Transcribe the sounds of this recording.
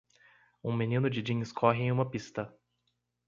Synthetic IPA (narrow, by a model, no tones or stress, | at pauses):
ũmenĩnʊd͡ʒɪd͡ʒĩɲskʰɔɦɪẽũmɐpist̪ɐ